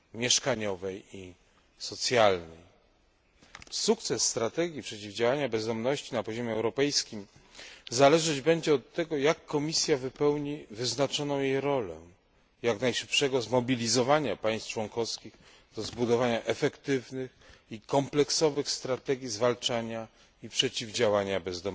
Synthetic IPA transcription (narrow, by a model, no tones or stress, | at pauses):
mʲjɛʂkaɲɔvɛji | sɔt̪sʲjalnɛj | suk̚t̪sɛsːt̪ɾat̪ɛɡʲjipʂɛt͡ɕivd͡ʑawaɲabɛzd̪ɔmnɔɕt͡ɕinapɔʑɔmʲjɛɛwɾɔpɛjskʲimzalɛʐad͡ʑbɛɲd͡ʑɛɔt̪ːɛɡɔjakːɔmʲisʲjavɘpɛwɲivɘznat͡ʂɔnɔ̃w̃jejɾɔlɛ̰ | jaknajʂɘ̥pʂɛɡɔzmɔbʲilʲizɔvaɲapaj̃st̪t͡ʂwɔŋkɔfskʲiɣ | d̪̥ɔzbud̪ɔvaɲaʔɛfɛkt̪ɘvnɘxikɔmplɛksɔvɘxst̪ɾat̪ɛɡʲizvalt͡ʂaɲa | ipʂɛt͡ɕivd͡ʑawaɲabɛzd̪ɔm